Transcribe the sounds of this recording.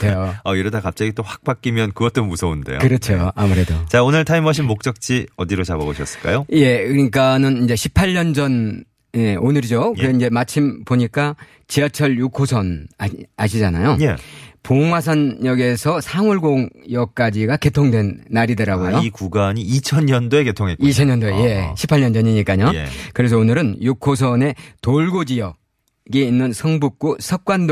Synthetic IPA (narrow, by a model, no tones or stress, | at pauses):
oʌiɾodakap̚t͡ɕ͈aɡit͈oɸak̚p͈ak͈imjʌnkɯɡʌt͈̚omusʰʌunde̞̰jo̰kɯɾʌt͡ɕʰoamuɾe̞dot͡ɕaonɯɭtʰaimʌɕ̬ʰinmok̚t͡ɕ͈ʌk̚t͡ɕ͈iʌdiɾot͡ɕabʌɡoɕʰʌs͈ɯɭk͈a̰joje̞kɯɲik͈anɯnind͡ʑe̞ɕʰi̥pʰaʎɲʌnd͡ʑʌn | je̞onɯɾid͡ʑokɯɾeind͡ʑe̞mat͡ɕʰimpoɲik͈a | t͡ɕiat͡ɕʰʌɭjukʰosʰʌnaɕʰid͡ʑanajojepoŋwasʰʌnjʌɡe̞sʰʌsʰaŋuɭɡoŋjʌk̚k͈ad͡ʑiɡake̞tʰoŋdwe̞nːaɾidɯɾaɡojoikuɡaɲiit͡ɕʰʌnɲʌndoeketʰoŋeiit͡ɕʰʌnɲʌndoeje̞ɕʰi̥pʰaɭɲʌnd͡ʑʌɲiɲik͈aɲokɯɾe̞s̬ʰʌonɯɾɯnjukʰosʰʌne̞toɭɡod͡ʑijʌ | ɡiːnːɯnsʰʌŋbuk̚k͈usʰʌk̚k͈wando